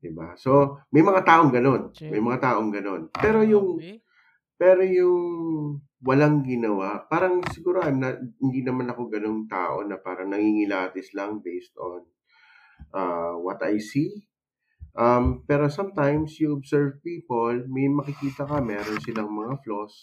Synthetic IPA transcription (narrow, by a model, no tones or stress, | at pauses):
d̪ɪbaso̞mɐjmɐŋat̪aːʔo̞ŋɡɐno̞nmɐjmɐŋat̪aːʔo̞ŋɡɐno̞npɛːɾo̞jʊŋ | pɛːɾo̞jʊŋ | wɐlaŋɡɪnɐwaʔpaːɾɐŋsɪɡuːɾoʔajmnɐhɪnd̪iːnɐmanɐko̞ŋɡɐno̞ŋt̪a̰ːʔo̞̰nɐpaːɾɐŋnɐŋiŋɪlaːt̪ɪslɐŋbejst̪o̰n | ʔaːwɐt̪ɐ̰jsi | ʔɐmpɛːɾo̞sɐmt̪ajmsjʊʔobsɛɹvpiːpolmɐjmɐkɪkiːt̪ɐkɐmɛːɾo̞nsɪlɐŋmɐŋaflo̞s